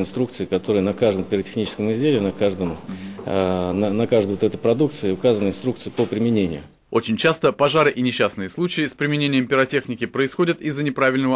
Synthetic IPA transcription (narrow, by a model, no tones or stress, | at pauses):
ɪnst̪ɾuk̚t̪sɨɪkɐt̪o̞ɾɨjənɐkaʐd̪əmpʲɪɾətʲɪ̥xnʲit͡ɕɪ̥skəmɪzʲdʲelʲɪnɐkaʐd̪əm | nnɐkaʐd̪əjot̪ɛt̪əpɾɐd̪uk̚t̪sɨɪʊkazənəɪnst̪ɾukt̪sɨjɪpəpɾʲɪmʲɪnʲenʲɪjʊ̰ | o̞t͡ɕɪnʲt͡ɕast̪əpɐʐaɾɨʔɪnʲɪɕːasnɨjɪslˠut͡ɕɪɪspɾʲɪmʲɪnʲenʲɪjəmpʲɪɾɐtʲe̞xnʲɪkʲɪpɾəɪsxo̞dʲɪt̪ɪzːənʲɪpɾavʲɪlʲnəvə